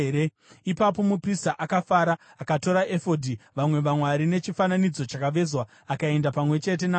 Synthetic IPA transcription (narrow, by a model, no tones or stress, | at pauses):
e | ipapo̞mupristaʔakafaːɾaakato̞ɾaʔe̞fo̞dʱiʋamwe̞ʋamwaɾine̞t͡ʃifananid͡zo̞t͡ʃakaʋe̞zwaːkae̞ndapamwe̞t͡ʃe̞t̬e̞na